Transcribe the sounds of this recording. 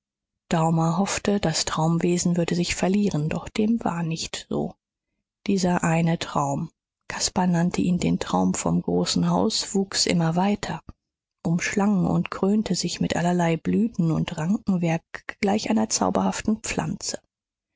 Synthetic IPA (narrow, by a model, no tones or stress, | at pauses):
d̥aʊmɐɦɔftəd̥astʁ̥aʊmveːzn̩vʏɐdəzɪçfɛɐliːʁəndɔχd̥eːmva̰ːɐnɪçtz̥o̰ː | d̥iːzɐʔaɪnətʁ̥aʊm | kʰaspanantʰəʔiːndeːntʁ̥aʊmfɔmɡʁoːsn̩ɦaʊsv̥uːksʔɪ̰mɐvaɪtʰɐ | ʔʊmʃlaŋʊ̰ntɡ̥ʁ̥øːntʰəzɪçmɪtʔa̰lɐlaɪblyːtn̩ʊntʁaŋkŋ̩vɛɐk̚ɡ̥laɪçʔaɪnɐt͡sa̰ʊbɐhaftn̩p͡flʔa̰nt͡sə̥